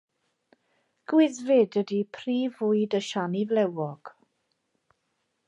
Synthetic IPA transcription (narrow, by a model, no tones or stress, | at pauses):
ɡ̥wɪðvɪdədipʰriːvʊɨjdəʃanivlɛwɔɡ̥